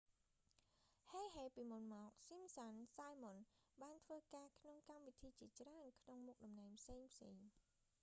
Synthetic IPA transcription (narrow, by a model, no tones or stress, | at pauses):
heːɦeːpiːmunmɔːk̚simsansajmon | ɓaːnt̪ʰʋəːkaːkʰnoŋkamʋit̪ʰiːt͡ɕiət͡ɕraənkʰnoŋmuk̚ɗɑmnaɛŋpʰseːŋpʰseːŋ